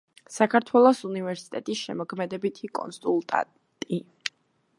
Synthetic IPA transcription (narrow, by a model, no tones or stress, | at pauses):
sakʰaɾt̪ʰwɛlˠɔsunivɛɾsi̥t̪ʼɛt̪ʼisʃɛ̰mɔkʰmɛd̪ɛbit̪ʰikʼɔ̰nsulˠt̪ʼa̰ | t̪ʼi